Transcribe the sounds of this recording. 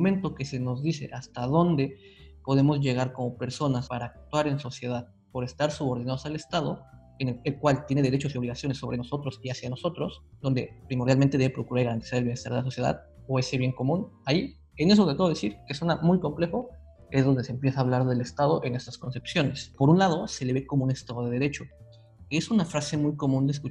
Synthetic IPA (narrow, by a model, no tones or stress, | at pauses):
oment̪o̞ke̞se̞no̞zðise̞̰ʔast̪aðo̞nd̪e̞ | po̞ð̞e̞mo̞zʝe̞ɣaɾko̞mo̞pe̞ɾso̞naspaɾaːk̚t̪waɾenso̞sje̞ðað | po̞ɾe̞st̪aɾsuβo̞ɾðinaðosale̞st̪að̞o̞ | eneelkwalt̪je̞neeɾe̞t͡ʃo̞sio̞βliɣasjo̞ne̞sːo̞βɾe̞no̞sot̪ɾo̞siasjano̞so̞t̪ɾo̞sd̪o̞nd̪e̞̰pɾimoɾðjalment̪e̞ðeβe̞pɾo̞kuɾaɾɣaɾant̪i̥saɾelβjenest̪aɾðelaso̞sje̞ða̰ðo̞e̞se̞βje̞ŋko̞mũnai | e̞ne̞s̬ot̪ek̪eoðesiɾkesonamujko̞mple̞xo̞ | ezðo̞nd̪eseːmpje̞saβlaɾðe̞le̞st̪aðo̞ʔe̞ne̞st̪asko̞nse̞psjo̞ne̞spo̞ɾunlað̞o̞se̞le̞βe̞ko̞moune̞st̪aðo̞ðeðe̞ɾe̞t͡ʃo̞ | esunafɾase̞mujko̞mũnd̪es̬ku